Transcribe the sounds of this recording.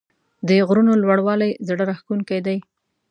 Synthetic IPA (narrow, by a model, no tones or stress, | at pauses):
d̪əɣɾunolwaɽwɑlajzɽəɾaxkunkajd̪aj